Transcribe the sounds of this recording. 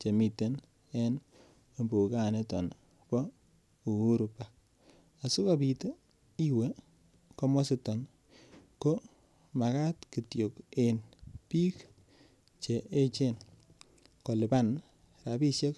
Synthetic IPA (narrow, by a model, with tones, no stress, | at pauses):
t͡ʃe˨mi˨te˦n | e˦n | o˨mbo˨ka˦˨ne˦tɔ˨n | pɔ˦ | u˨u˦ɾu˨pa˨k̚ | a˨su˦ka˦pi˨to˦ | i˦we˦ | ko˦mɔ˦sɪ˦tɔ˨n | ko˦ | ma˨ka˦tki˨tjo˨ke˨npi˦k | t͡ʃe˨e˦t͡ʃe˦˨n | ko˨lɪ˨pa˦n | ɾa˨pi˦sje˦k